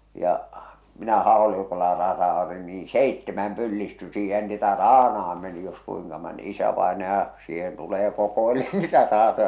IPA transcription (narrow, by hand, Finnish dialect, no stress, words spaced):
jɑ minæ hɑˑolikolːɑ rɑsɑotin niːĩ seitːemæm pylːisty siːhen niːtæ rɑːnɑɑm meni jos kuiŋkɑ mon isæʋɑenɑjɑ siːhen tuleː kokoeleːn nitæ rɑːtojɑ